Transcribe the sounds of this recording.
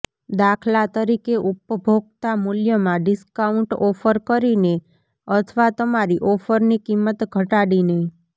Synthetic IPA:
d̪akʰlat̪əɾikeʔupəbʱoɡ̚t̪amuljəmãɖiskauɳʈɔfəɾkəɾine | ət̪ʰʋat̪əmaɾiʔɔfəɾnikimːət̪ɡʱəʈaɽine

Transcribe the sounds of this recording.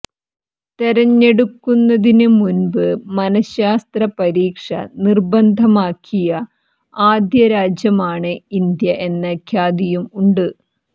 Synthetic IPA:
t̪eɾɐɲːe̞ɽukːunːɐðinɨmunbɨmɐnɐɕjaːst̪rɐpɐɾiːkʂɐ̰nirbɐnd̪ʱɐmaːkʰːijɐ | aːd̪jɐɾaːd͡ʑjɐmaːɳɨind̪jɐʔe̞nːɐkʰjaːd̪ijumuɳɖɨ

